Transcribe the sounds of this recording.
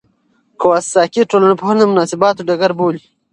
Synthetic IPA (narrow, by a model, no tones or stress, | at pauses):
kowasːɑːkiʈoːlanepohanemʊnɑːsibɑːt̪oɖaɡaɾboːli